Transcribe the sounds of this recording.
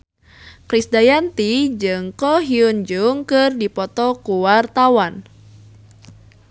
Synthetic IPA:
kɾisdajant̪id͡ʒɨŋkɔɦiund͡ʒuŋkɨrdipɔt̪ɔkuwart̪awan

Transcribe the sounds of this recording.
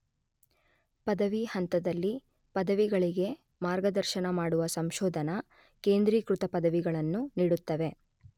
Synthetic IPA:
pɐd̪ɐʋihɐnt̪ɐd̪ɐlːi | pɐd̪ɐʋiɡɐɭiɡe̞ | maːɾɡɐd̪ɐɾʃɐnɐmaːɽuʋɐsɐmʃoːd̪ʱɐnɐ | keːnd̪ɾiːkɾut̪ɐpɐd̪ɐʋiɡɐɭɐnːuniːɽut̪ːɐʋe̞

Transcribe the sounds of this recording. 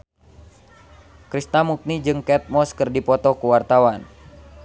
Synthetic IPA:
kɾist̪amuk̚nid͡ʒɨŋkɛt̪̚mɔskɨrdipɔt̪ɔkuwart̪awan

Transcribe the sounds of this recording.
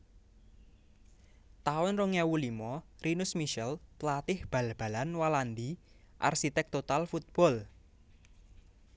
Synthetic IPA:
t̪aʊnroŋɛwulimɔrinʊsmiʃɛlt̪lat̪ɪhb̥a̤lb̥a̤lanwaland̪i | ʔa̰rʃit̪ɛk̚t̪ot̪alfut̪̚b̥ɔ̤l

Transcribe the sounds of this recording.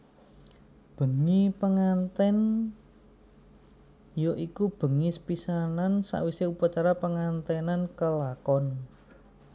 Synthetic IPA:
b̥ə̤ŋipəŋant̪ɛn | joʔikub̥ə̤ŋispisanansa̰ʔwiseupat͡ʃaɾapəŋant̪ɛnankəlakɔn

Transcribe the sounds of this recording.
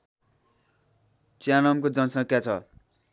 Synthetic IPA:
t͡sanʌmkod͡zʌnsʌ̃kʰjat͡sʰʌ̰

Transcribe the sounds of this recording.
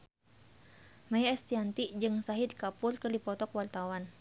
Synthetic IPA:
majaɛst̪iant̪id͡ʒɨŋsaɦid̪̚kapʊrkɨrdipɔt̪ɔkwart̪awan

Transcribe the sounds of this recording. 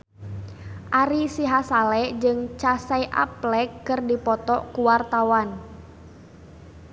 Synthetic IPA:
ʔaɾisiɦasalɛd͡ʒɨŋt͡ʃasajʔa̰plɛkːɨrdipɔt̪ɔʔkuwart̪awan

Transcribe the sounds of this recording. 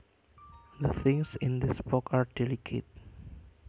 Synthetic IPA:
d̪əθɪ̃ŋsɪ̃nd̪ɪsbɔkaɹdɛlikʰḛt̚

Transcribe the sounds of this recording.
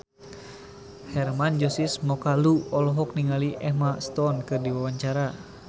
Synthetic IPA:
hɛrmand͡ʒɔsismɔkaluɔlɔɦɔk̚niŋaliʔɛhmast̪ɔnkɨrdiwawaɲt͡ʃaɾa

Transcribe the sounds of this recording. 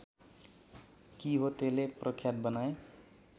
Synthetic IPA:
kiɦot̪eleprʌkʰjat̪̚bʌnae

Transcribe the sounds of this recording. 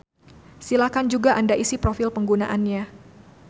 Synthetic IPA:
silakand͡ʒuɡaʔandaʔisipɾofɪlpəŋɡunaʔanɲa

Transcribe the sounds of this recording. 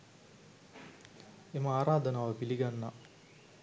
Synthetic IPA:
eməaːɾaːd̪ɐnaːʋəpiliɡanːɐ

